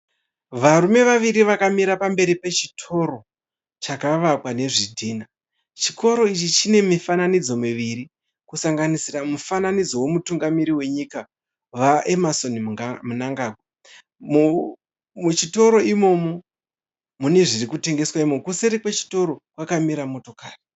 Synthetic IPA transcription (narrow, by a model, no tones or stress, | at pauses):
ʋaɾume̞ʋaʋiɾiʋakamiɾapambe̞ɾipe̞t͡ʃi̥tʰo̞ɾo̞ | t͡ʃakaʋakwane̞ʐidʱiːna | t͡ʃiko̞ɾo̞it͡ʃit͡ʃine̞mifananid͡zo̞miʋiɾi | kusaŋɡanisiramufananid͡zo̞wo̞mutuŋɡamiɾiwe̞ɲika | ʋaʔe̞maso̞nmunaŋɡaːɡʱwa | mu | mut͡ʃito̞ɾo̞imo̞mo̞ | mune̞ʐirikute̞ŋɡe̞swaimomkuseɾikwet͡ʃi̥to̞ɾo̞kwakamiɾamo̞to̞kaːri